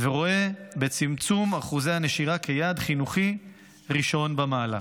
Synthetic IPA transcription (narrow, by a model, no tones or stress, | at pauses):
veʁo̞e̞be̞t͡simt͡sumaχuze̞haneʃiʁakʰejaːd̪χinuχi | ʁiʃo̞nbamaːla̰